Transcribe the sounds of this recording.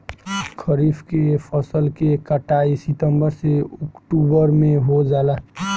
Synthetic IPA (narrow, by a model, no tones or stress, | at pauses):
kʰəɾiːfʰkepʰəsəlkekəʈaːisɪt̪əmbəɾseɔkʈubəɾmẽɦod͡ʒaːla